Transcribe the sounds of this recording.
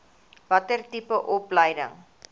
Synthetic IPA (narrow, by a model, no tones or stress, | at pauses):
vɐtərtipəʔɔpləjdə̰ŋ